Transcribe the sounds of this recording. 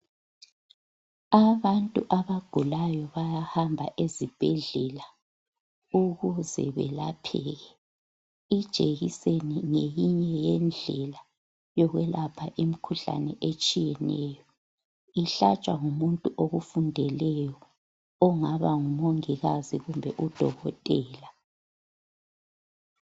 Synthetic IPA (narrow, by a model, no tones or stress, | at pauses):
aβantʼuʔaβaɡ̥ʱulajɔβajahambʱaʔezib̥ʱɛɮɛla | uɣuzɛ̰βɛ̰lapʰɛɣɛ | id̥ʒ̥ʱeɣiseniŋejiɲɛjɛnd͡ɮʱɛla | jɔɣwɛlapʰaʔimikʰuɬa̰nɛʔet͡ʃʼijɛnɛːjɔ | iɬat͡ʃʼwaŋumuntʼuʔoɣufundʱɛlɛjɔ | ɔŋaβaŋumoŋiɣaziɣumbʱɛʔud̥ʱɔɣɔtʼɛːla